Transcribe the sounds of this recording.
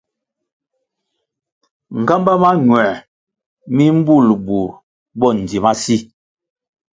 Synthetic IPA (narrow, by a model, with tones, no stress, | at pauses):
ŋ̩˨ɡa˦mba˦ma˦ɲwɛ˨ | mi˦m̩˦bu˦˨lbu˨ | bɔ˦˨n̩˨di˨ma˦si˦